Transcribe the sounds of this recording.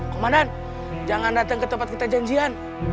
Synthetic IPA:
kəmadan | d͡ʒaŋandat̪aŋkət̪əmpat̪̚kit̪ad͡ʒaɲd͡ʒian

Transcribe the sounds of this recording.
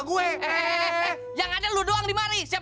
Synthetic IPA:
ɡuɛ | jaŋadaludoaŋdimaɾisia

